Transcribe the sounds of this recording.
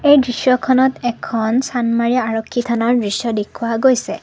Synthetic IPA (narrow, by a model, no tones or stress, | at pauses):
ejdɹisjɔkʰɔnɔtɛkʰɔnsanmaɹijaaɹɔkʰːitʰanaɹdɹisjɔdekʰuwaɡojsɛ